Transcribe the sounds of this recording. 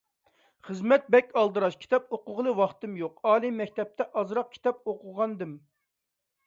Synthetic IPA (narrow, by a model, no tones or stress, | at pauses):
χəzmɛt̪̚bɛkʲɑlˠd̪ɨɾɑʃkʲʰi̥t̪ʰɛp̚oqʊʁlˠɨwɑχt̪ɨmjoqɑːlˠɨmːɛkʲt̪ɛp̚t̪ʰɛʔɑzɾɑq̚kʲʰi̥t̪ɛp̚oqʊʁɑnd̪ɨm